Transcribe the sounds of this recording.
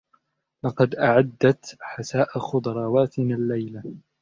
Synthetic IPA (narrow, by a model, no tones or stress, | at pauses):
lɑqɑd̪ʔaʕad̪ːat̪ħasaːʔaxʊd̪ɑɾˤɑːwaːt̪ɪmɪalːajla